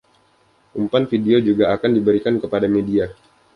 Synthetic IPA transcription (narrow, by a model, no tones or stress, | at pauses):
ʔumpanfideod͡ʒuɡaːkandibəɾikankəpadamedia